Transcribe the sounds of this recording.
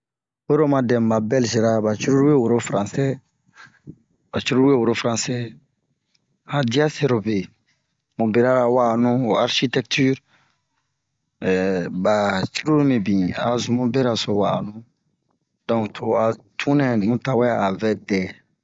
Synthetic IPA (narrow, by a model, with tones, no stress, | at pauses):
wo˦ɾo˦mã˨dɛ̃˨ma˨bɛ˦lze˨ɾa˦ba˨t͡ʃu˦ɾu˦ɾwe˦wo˨ɾo˦fɾã˨sɛ˦ | ba˨t͡ʃu˦ɾu˦ɾu˦e˦wo˨ɾo˦fɾã˨sɛ˦ | a˨di˦a˦se˨ɾo˨be˨ | mũ˨be˨ɾa˦ɾa˨wa˦˨nũ˦o˨a˦ɾʃi˦tɛ˦k̚tʰy˦ɾ | ba˨t͡ʃi˦ɾu˦ɾmĩ˨bĩ˨a˨zũ˨mũ˦bɛ˦ɾa˨so˨wa˨nũ˦ | d̥ɔ̃˨ŋtʰo˨a˨tʰũ˦nɛ̃˨nĩ˨ũ˦ta˨wɛ˦a˦a˨vɛ˦tɛ˨